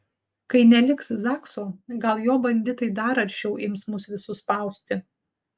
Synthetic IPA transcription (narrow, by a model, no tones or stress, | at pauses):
kɐɪnʲɛlʲɪksɪzɑːksoːɡɐlˠjoːbɐnʲd̪ʲɪt̪ɐɪd̪ɐɾɐɾʲt͡ʃʲt͡ʃʲɛʊʔɪmsmʊsʋʲɪsʊspɐˑʊsʲt̪ʲɪ